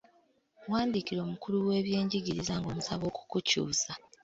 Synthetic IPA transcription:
waːndikiɾo̞ːmukuluwe̞ːβje̞ːɲɟiɟiɾizaːŋɡo̞ːmusaβo̞ːku̥kucṵːsa

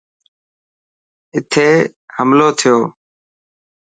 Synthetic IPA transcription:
ɪt̪ʰeːhəmloːt̪ʰɪjoː

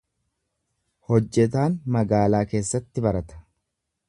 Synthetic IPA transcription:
hɔd͡ʒːɛt̪̬aːnmɐɡaːlaːke̞ːsːɐt̪ːɪbɐɾɐt̪ɐ̥

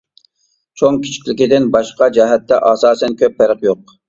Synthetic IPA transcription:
t͡ʃʰoŋkʲʰi̥t͡ʃʰi̥kʲlɪkʲid̪ɪnbɑʃqɑd͡ʒɛɦɛt̪ːɛʔɑsɑːsɛnkʲʰøp̚bɛɾəqjoq̚

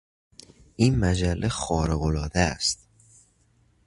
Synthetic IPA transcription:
ʔiːnmæd͡ʒælːexɒːɾeɣolɒːd̪æst̪

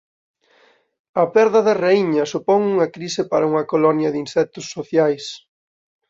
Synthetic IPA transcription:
ɐpɛɾðɐðɐreiɲɐsupɔŋuŋɐkɾisɪpaɾɐuŋɐkolɔnjɐðinsɛk̚t̪ʊsːoθjajs

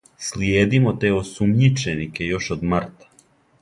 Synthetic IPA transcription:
sljeːd̪imot̪eːosumɲit͡ʃenikejo̞ʃod̪maɾt̪ḁ

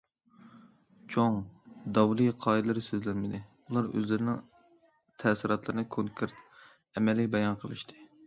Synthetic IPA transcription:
t͡ʃʰoŋd̪ɑwlˠɨqʰɑːid̪lˠɨɾɨsøzlɪɾmɪd̪ɪ | ulˠɑɾø̰zlɪɾɪnɪŋ | t̪ʰɛːsɨɾɑt̪lˠɨɾɨnɨkʰoŋkʰeɾt̪ | ɛmɛlibɛjɑnqʰəlˠɨʃt̪ʰɨ̥

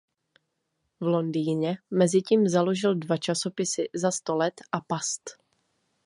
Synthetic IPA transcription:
vlo̞ndiːɲɛmɛzɪciːmzalo̞ʒɪldvat͡ʃaso̞pɪsɪzast̪o̞lɛt̪ʔapast̪

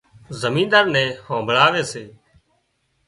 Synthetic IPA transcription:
zəmĩːnd̪əɾnɛ̃ːhõːmbʱəɭaːʋeːseː

